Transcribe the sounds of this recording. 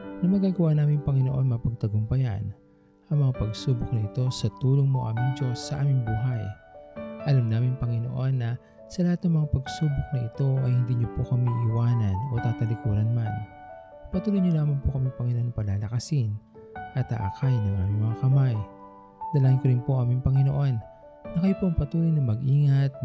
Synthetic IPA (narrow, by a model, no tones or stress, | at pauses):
nɐmɐɡaːɡɐwanaːmɪŋpɐŋɪno̞ʔo̞nmɐŋapɐɡ̚t̪ɐɡʊmpɐja̰n | ʔɐŋmɐŋapɐɡsuːbʊk̚nɐʔɪt̪o̞sɐt̪uːloŋmoʔa̰ːmɪŋd͡ʒo̞sːɐʔaːmɪŋbuːɦɐj | ʔɐlamnaːmɪŋpɐŋɪno̰ʔo̞nːɐ | sɐlɐhat̪nɐŋmɐŋapɐɡsuːbʊk̚nɐʔɪt̪o̞ʔɐjhɪnd̪iːɲopokɐmiʔɪwaːnɐno̞t̪aːt̪ɐlɪkuːɾɐnman | pɐt̪uːlojɲʊlaːmɐŋpokɐmiŋpɐŋɪnoʔonɐpɐlaːlɐkɐsɪn | ʔɐt̪a̰ʔa̰kajnɐŋʔaːmɪŋmɐŋakɐmaj | d̪̥ɐlaːhnkoɾɪnpo̞ʔaːmɪŋpɐŋɪnoʔo̞nː | ɐkɐjpoʔɐŋpɐt̪uːlojnɐmɐɡʔiːŋɐt̪̚